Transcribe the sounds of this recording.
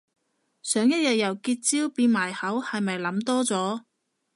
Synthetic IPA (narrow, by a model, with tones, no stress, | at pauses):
sœː˨˥ŋjɐ˥t̚jɐ˨t̚jɐ˨˩wkiː˧t̚t͡siː˥wpiː˧nmaː˨˩jhɐ˨˥whɐ˨jmɐ˨jlɐ˨˥mt̪ɔː˥t͡sɔː˨˥